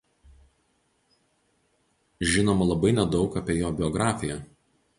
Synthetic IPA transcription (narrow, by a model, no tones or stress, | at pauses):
ʒʲɪnoːmɐlˠɐbɐɪnʲɛd̪ɒʊkɐpʲeɛjoːbʲɪɔɡɾɑːfʲɪjɛ